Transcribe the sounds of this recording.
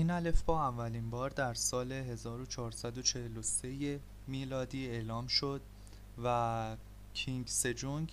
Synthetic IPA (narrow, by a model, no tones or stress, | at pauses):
inælefbɒːævːæliːnbɒːɾd̪æɾsɒːle̞ɦe̞zɒːɾo̞t͡ʃʰɒːɾsæd̪ot͡ʃʰe̞heloseje | miːlɒːd̪iːe̞ːlɒːmʃod̪ | væ | cʰiŋɡse̞d͡ʒuŋɡ